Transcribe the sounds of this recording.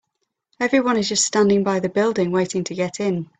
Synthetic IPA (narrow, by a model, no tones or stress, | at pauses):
ɛvɹiwʌ̃nɪzd͡ʒʌststãndɪ̃ŋbaɪðəbɪlˠdɪ̃ŋweɪtɪ̃ŋtʰəɡɛtɪ̃n